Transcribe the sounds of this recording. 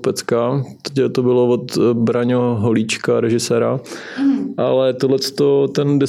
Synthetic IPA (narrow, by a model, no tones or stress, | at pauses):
pɛt͡skat̪ɛ̥cɛt̪obɪlovot̪bɾaɲoɦoliːt͡ʃkaɾɛʒɪsɛːɾa | ʔalɛt̪odlɛt͡st̪ot̪ɛndɪ